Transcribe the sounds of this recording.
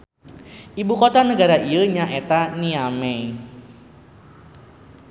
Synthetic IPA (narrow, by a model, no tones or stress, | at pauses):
ʔibukot̪anəɡaɾaʔiəɲaʔet̪aniamɛ